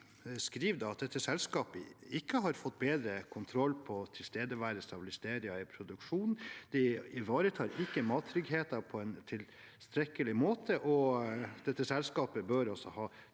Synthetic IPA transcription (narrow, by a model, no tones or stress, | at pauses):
skɾiːʋd̪ɑɑt̪̚d̪ɛt̪ːəsɛlskɑːpəɪkːəɦɑɾfɔt̪ːbeːd̪ɾəkʰʊnt̪ʰɾɔlːpʰɔt̪ʰɪlst̪eːd̪əʋæːɾəst̪ɑbɪlɪst̪eːɾɪɑɪpʰɾʊd̪ʉkʂuːnn̩d̪̥ɛɪʋɑːɾət̪ʰɑːɾɪkːəmɑːt̪ʰːɾʏɡɦeːt̪ɑpʰɔɛnt̪ʰɪl | st̪ɾɛkːəlɪmoːt̪ʰəʔɔd̪̥ɛt̪ːəsɛlskɑːpəbøːɾɔsɔhɑː